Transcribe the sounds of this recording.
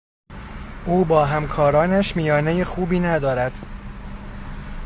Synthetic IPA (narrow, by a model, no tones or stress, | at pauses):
ʔuːbɒːɦæmkʰɒːɾɒːnæʃmijɒːnejexuːbiːnæd̪ɒːɾæd̪̥